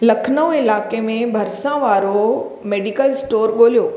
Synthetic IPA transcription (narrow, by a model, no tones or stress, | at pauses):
lɐkʰnəwɪlaːkemẽbʱɐɾsãʋaːɾo | meːɖikəlsʈoːɾɠoːlijoː